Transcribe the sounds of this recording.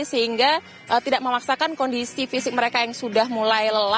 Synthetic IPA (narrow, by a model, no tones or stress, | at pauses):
səɦiŋɡa | ʔət̪idaʔməmaksakankondisifisɪk̚məɾekajaŋsudahmulajləla